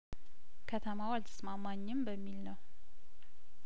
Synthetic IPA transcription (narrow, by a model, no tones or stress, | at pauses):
kʰət̪ʰəmawalt̪ʰɨ̥smamːaɲːɪmbəmːilnəw